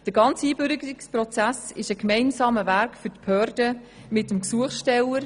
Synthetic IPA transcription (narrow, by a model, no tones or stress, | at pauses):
d̥əɾɡɑnt͡siːbʏɾɡəɾɪksprɔt͡sæsɪʃəkmɛɪnsɑːməvæɾkfʏtphœːɾd̥ə | mɪtəmksuəχʃtɛləɾ